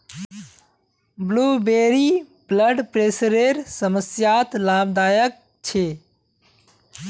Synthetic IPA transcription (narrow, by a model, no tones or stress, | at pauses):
bluːbeːɾibləɖpɾeːsɾeɾsəməsjaːt̪laːbd̪aːjək̚ | t͡ʃʰeː